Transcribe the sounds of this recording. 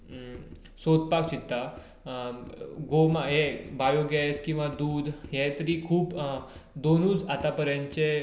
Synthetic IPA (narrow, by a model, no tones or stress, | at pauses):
sod̪̚pak̚t͡ɕit̪ːa | ɡomaɦebajoɡɛskĩw̃ʋad̪uːd̪ʱɦjet̪əɾiːkʰuːpd̪onuːt͡sat̪apəɾjãɲt͡ɕe